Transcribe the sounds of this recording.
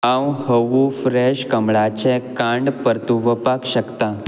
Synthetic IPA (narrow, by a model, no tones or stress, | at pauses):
ãwhəʋufɾɛɕkəmɭat͡ɕɛ̃kãɳɖpəɾt̪uʋəpakɕəkt̪a